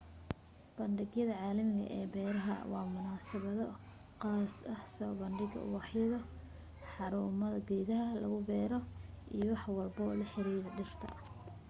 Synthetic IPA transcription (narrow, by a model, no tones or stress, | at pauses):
b̥ɐnɖɪɣjɐðɐʕɑːlɐmɪɣɐ̰ʔɛːbɛːɾɐɦɐ̰wɑːmʊnaːsɐβɐðɔ | qɑːsɐhsɔːbɐnɖɪɣɐ̰wɑħjɐðɐ | ħɑɾuːmɐðɐɡɛjðɐɦɐlɐ̰ɣʊbɛːɾɔ | ʔijɔwɑħwɑlbɔlɐħɪɾiːɾɐɖɪr̥t̪ʰɐ̰